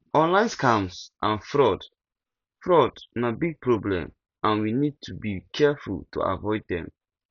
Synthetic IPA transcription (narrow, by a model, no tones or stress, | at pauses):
ɔ̃nlãɪ̃nskʰãmsʔãnfɹɔd | fɹɔdnabiɡ̚pʰɹɔblɛ̰̃m | ãnwinid̚tʰubikʰɛfṵltʰṵa̰vɔɪd̚dɛ̰̃m